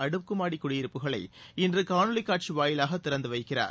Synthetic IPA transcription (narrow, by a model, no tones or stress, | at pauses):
ɐɽɯkːɯmaːɽikːʊɽɪjɪɾɯpːɯɣɐɭɐɪɪndrɯkaːɳɯlɪkːaːʈ̚t͡ʃiʋaːjɪlaːɣɐt̪ːɪɾɐnd̪ɯʋɐɪkːɪra̰ːɾ